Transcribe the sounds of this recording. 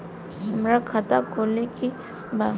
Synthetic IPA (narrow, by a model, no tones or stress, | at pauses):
ɦɐmɾakʰat̪akʰoːleki | ba